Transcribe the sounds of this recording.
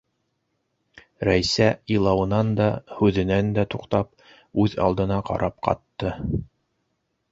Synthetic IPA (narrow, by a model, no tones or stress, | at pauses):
ɾæjsæilˠɑwɤ̆nɑnd̪ɑhʉðɘ̆nænd̪æt̪uqt̪ɑp̚ | ʉðɑ̰lˠd̪ɤ̆nɑqɑ̰ɾʔɑp̚qɑ̰t̪ːɤ